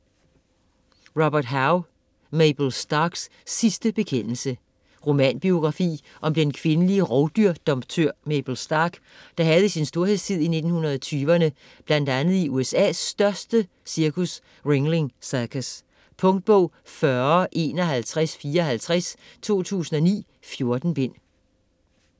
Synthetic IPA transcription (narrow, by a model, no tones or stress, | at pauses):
ʁɑb̥ɐd̥ɦɑʊ | meb̥l̩sd̥ɑɡ̥sː | isd̥əb̥e̝kʰen̰l̩sə | ʁo̝mæ̰nb̥io̝ɡ̥ʁɑ̈fḭːʔɒ̽md̥enkʰʋe̝nəliəʁɒʊd̥yɐ̰d̥ɒ̽mb̥t͡sʰøɐ̰meb̥l̩sd̥ɑ̈ɡ̥ | d̥ɑ̈ɦæð̞̩ˠəsinsd̥o̝ɐhe̝ð̰ˠst͡sʰið̰ˠine̝d̥n̩hunɐð̞̩ˠɒt͡sʰyːʋɐnə | b̥læn̰d̥ænð̩ˠiʔuːesɛ̰ːsd̥ɶɐsd̥ə | siɐkʰus | ʁeŋle̝ŋsɑɐkʰæs | pʰɔ̽ŋd̥̚b̥ɔ̽ʊ̰ | fɶɐɐʔe̝̰ːnɒɦælt͡sʰʁasfiːɐɒɦælt͡sʰʁɛst͡sʰo̝̰ːt͡sʰṵːsn̩ɒ̽nḭː | fjo̝ɐd̥n̩b̥e̝n̰